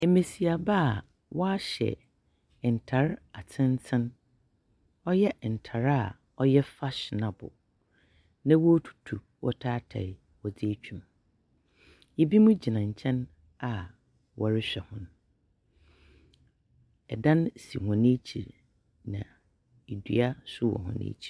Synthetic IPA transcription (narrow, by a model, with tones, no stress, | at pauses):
e˨me˨si˨a˨ba˦˨ | wɔ˦a˦ɕɛ̰˨ | n̩˨tʰa˨˦ɾa˨t͡sʰɪ̃˦n˦tʰɪ̃˦n | ɔ˦jɛ˦˨n̩˨tʰa˨ɾa˦˨ | ɔ˦jɛ˦fa˦ɕnã˨bʊ̰˨ | nã˦wɔ˦tʰu̥˨tʰu˨ | wʔɔ̰˦tʰaː˦tʰa̰˨ɪ˨ | wɔ˨d͡zɪ˦t͡ɕᶣʰũ˨m | jɛ˦bi˦mũ˦d͡ʑi˨nã˨ɲ̩˨t͡ɕʰɛ̃˦n | a˨ | wɔ˨ɾɪ˦ɕᶣɛ˨hʊ̃˦nʊ̃˦ | ɛ˨dã˦nsḭ˨hʊ̃˨nẽ˦t͡ɕʰi˨ɾ | nã˨ | i˨dɥ̰a˦sʊ˦wɔ̰˨hʊ̰̃˨nɪ̰̃ː˦t͡ɕʰi̥˨